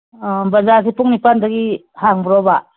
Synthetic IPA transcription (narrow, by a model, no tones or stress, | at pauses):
bɐzas̬ipuŋnipandaɡi | haŋbɾɔba